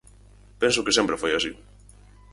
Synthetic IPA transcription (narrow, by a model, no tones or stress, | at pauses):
pẽns̬ʊkɪsempɾefojasi